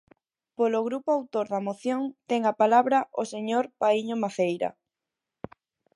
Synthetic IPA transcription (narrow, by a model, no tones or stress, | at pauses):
poloɣɾupoawt̪oɾðamoθjoŋt̪ɛŋapalaβɾɐʔoseɲoɾpaiɲomaθejɾɐ̰